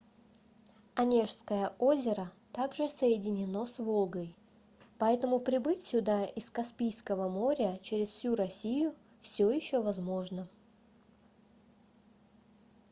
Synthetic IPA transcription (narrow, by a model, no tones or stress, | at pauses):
ɐnʲeʂskəjəʔo̞zʲɪɾət̪aɡʐɨsəjɪdʲɪnʲɪno̞svo̞lˠɡəj | pɐɛt̪əmʊpɾʲɪbɨtʲsʲʊd̪aʔɪskɐspʲijskəvəmo̞ɾʲət͡ɕeɾʲɪsfsʲuɾɐsʲijʊ | fsʲojɪɕːovɐzmo̞ʐnə